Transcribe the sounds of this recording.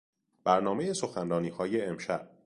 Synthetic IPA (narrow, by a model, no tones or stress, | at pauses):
b̥æɾnɒːme̞je̞so̞xænɾɒːniːhɒːjeːmʃæʔ